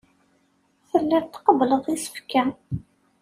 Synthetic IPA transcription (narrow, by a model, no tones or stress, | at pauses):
θəlːænt̪qəbləðˤisə̥fkæ